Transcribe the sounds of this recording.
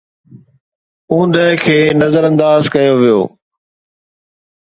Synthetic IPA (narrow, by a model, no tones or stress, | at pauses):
ũːnd̪əɦkʰeːnɐzəɾə̃nd̪aːzkɐjoʋijo̰ː